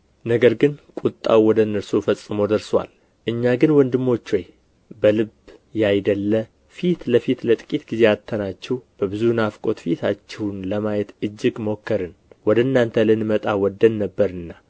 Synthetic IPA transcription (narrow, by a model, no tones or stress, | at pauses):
nəɡəɾɡɨnkʼut̪ʼːa̰wwɔd̪ənːəɾsofəsʼːɨmo̞d̪əɾswa̰l | ʔɨɲːaɡɨnwɔnd̪ɨmːo̞t͡ʃːwɔj | bəlɨbjajd̪əlːə | fit̪ləfit̪lət̪ʼɨ̥kʼit̪ɡize̞at̪ʰːənat͡ʃːɛhb̥əbɨzunafkʼo̞t̪fit̪ʰat͡ʃːɛwnləmajɛt̪ɨd͡ʒːɪɡmo̞kːəɾɨnwɔd̪ənːant̪ʰəlɨnmət̪ʼawɔd̪ːənːəbːəɾɨnːa